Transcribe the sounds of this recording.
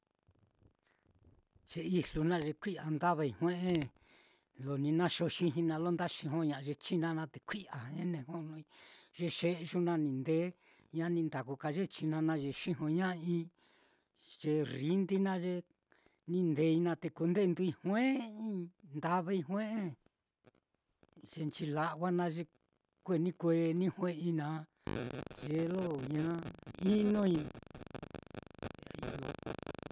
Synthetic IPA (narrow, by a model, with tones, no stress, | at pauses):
ʒ̥e˧i˧lu˧nã˦ʒe˧kʷi˦a˨nd̪a˦βa˧i˧hw̃ẽ˦ʔẽ˦ | lo˨nĩ˧nã˦ʃo˧ʃĩ˧ɦĩ˧nã˧lo˦nd̪a˦ʃĩ˧ɦõ˦ɲã˧ʒe˧t͡ʃi˦nã˧nã˧t̪e˨kʷi˦ʔa˨ẽ˦nẽ˧hõ˦˧nũ˧i˧ʒe˧ʃe˦˧ʒu˦nã˧nĩ˧nd̪e˦ | ɲã˦nĩ˧nd̪a˨ku˧ka˧ʒe˦t͡ʃi˧nã˧nã˧ʒe˧ʃĩ˦ɦõ˧ɲã˦ĩ˦ | ʒ̥e˧ri˦nd̪i˦nã˦ʒe˧ | nĩ˧nd̪e˧˦i˧nã˧t̪e˧ku˧nd̪e˦˧nd̪u˧i˧hwẽ˦ĩ˦nd̪a˧βe˦˧i˧ɦw̃ẽ˦ʔẽ˦ | ʒ̥e˧nt͡ʃi˧la˧ʔwa˦nã˧ʒe˧ | kʷe˦˧˨nĩ˦kʷe˧˦˧nĩ˦hwẽ˦ĩ˧nã˧˦ | ʒe˧˦lo˦ɲã˦i˦nõ˦i˧˨ | ḭ˧jo̰˧